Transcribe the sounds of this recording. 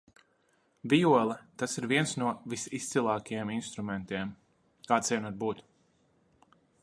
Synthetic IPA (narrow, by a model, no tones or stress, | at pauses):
vʲijuɔlˠɛt̪asiɾviɛnsnuɔvisist̪silˠɑːkajɛminst̪ɾumɛnt̪iɛm | kaːt̪siɛnuaɾbuːt̪u̥